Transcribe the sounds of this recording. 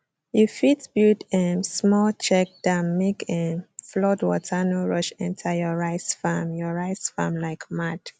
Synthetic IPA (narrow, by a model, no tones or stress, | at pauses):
jufitbudɛsmɔlt͡ʃɛk̚d̥amːekʰɛflɔdwɔ̰tʰanoɹɔʃɛ̃ntʰajɔɹaɪsfamjɔɹaɪsfa̰mlaɪkmad̥